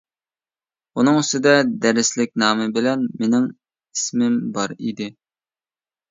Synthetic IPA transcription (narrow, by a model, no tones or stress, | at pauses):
unɨŋysɪd̪ɛd̪ɛɾɪslɪk̚ʲnɑːmɨbɪlɛnmenɪŋ | ismɪmbɑɾid̪ɪ